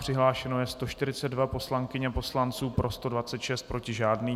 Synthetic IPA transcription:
pr̝̥ɪɦlaːʃɛno̞jɛst̪o̞ʃt̪ɪɾɪt͡sɛdvapo̞slaŋkɪɲɛpo̞slant͡suːpɾʔo̞st̪o̞dvat͡sɛt̪ʃɛst̪̚pɾo̞cɪʒaːdniː

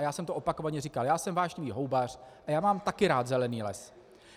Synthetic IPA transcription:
jaːsɛmt̪oʔo̞pako̞vaɲɛrikaljaːsɛmvaːʒɲiviːɦo̞wbar̝̥ʔajaːmaːmt̪akɪɾaːt̪zɛlɛniːlɛ̰s

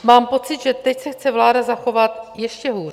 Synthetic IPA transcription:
maːmpo̞t͡sɪt̪ʒɛt̪ɛcsɛxt͡sɛvlaːdazaxo̞vat̪jɛʃcɛɦuːr

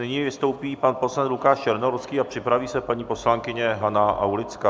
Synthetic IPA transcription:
nɪɲiːvɪst̪o̞wpiːpanposlant̪lukaːʃt͡ʃɛɾnoɾskiːapr̥ɪpɾaviːsɛpaɲiːpo̞slaŋkɪɲɛɦanaʔa̰wlɪt͡skaː

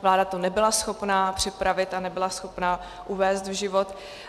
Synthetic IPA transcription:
vlaːdat̪onɛbɪlasxo̞pnaːpr̝̥ɪpɾavɪt̪anɛbɪlasxopnaː | ʔuvɛːst̪vʒɪvot̪

